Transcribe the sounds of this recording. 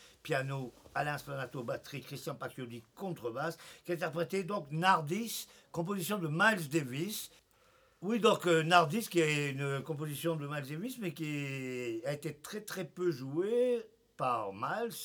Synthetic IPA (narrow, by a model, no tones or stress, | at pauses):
pjanoalɛ̃splanat̪obat̪χikχist̪jɑ̃pat̪jod̪ikɔ̃t̪χəbaskʲɛ̃t̪ɛʁpχet̪ed̪ɔ̃knaʁd̪is | kɔ̃p̬ozisjɔ̃d̪əmals̬d̪evis | wid̪ɔ̃knaʁd̪iskʲiɛynkɔ̃p̬ozisjɔ̃d̪əmalsd̪evismɛkʲi | aet̪et̪χɛt̪χɛpøʒue | paʁmals